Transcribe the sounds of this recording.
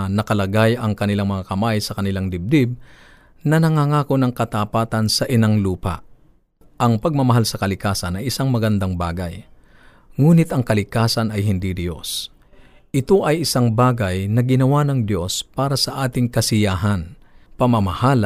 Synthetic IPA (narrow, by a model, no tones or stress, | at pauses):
nɐkɐlɐɡajɐŋkɐnɪlaŋmɐŋakɐmajsɐkɐnɪlaŋd̪ɪb̚d̪ɪb̚ | nɐnɐŋaŋaːko̞nɐŋkɐt̪apaːt̪ɐnsɐʔɪnaŋluːpa̰ʔ | ʔɐŋpɐɡ̚mɐmɐɦalsɐkɐlɪkaːsɐnɐjɪsaŋmɐɡɐnd̪aŋbaːɡɐj | ŋuːnɪt̪ɐŋkɐlɪkaːsɐnɐjɦɪnd̪id̪ɪjo̞s | ʔɪt̪o̞ʔɐjʔɪsaŋbaːɡɐjnɐɡɪnɐwanɐŋd̪jo̞spaːɾɐsɐʔaːt̪ɪŋkɐsɪjaːɦɐnpɐmɐmɐhal